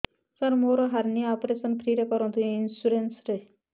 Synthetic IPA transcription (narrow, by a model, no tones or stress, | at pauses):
saɾmoɾɔɦaɾniaɔpɾesɔnpʰɾiɾekɔɾɔnt̪iinsuɾensɾe